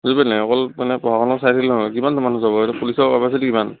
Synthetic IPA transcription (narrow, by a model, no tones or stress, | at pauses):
zibɛnajɔkɔlmanɛpɔɦakʰɔnɔsajtʰilnɔɦɔjkimantɔmanuzabɔɛɾupulisɔɹbapas̬itikiman